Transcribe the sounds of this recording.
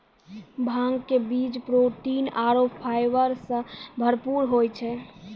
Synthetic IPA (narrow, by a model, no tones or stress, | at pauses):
bʱãŋɡkebid͡ʒpɾoʈinaɾopʰajbəɾsə̃bʱəɾpuɾɦojt͡ʃʰɛ